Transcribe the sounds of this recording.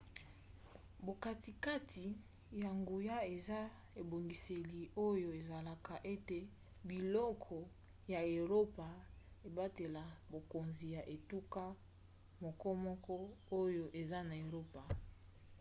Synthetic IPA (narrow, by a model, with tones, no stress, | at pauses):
bo˨ka˨ti˨ka˦tʰi˨ | ja˨ŋɡu˨ja˦e˨za˦ | e˨bo˨ŋɡi˨se˨li˨o˦jo˨e˨za˨la˨ka˨ʔe˦te˨ | bi˨lɔ˦kʰɔ˨ | ja˨e˨ʁo˦pa˨ | e˨ba˦te˨la˨bo˨ko˨nzi˨ja˨ʔe˨tu˦ka˦ | mo˨kɔ˦mɔ˦kɔ˦o˦jo˦ʔe˨za˦na˨e˨ʁo˦pa˨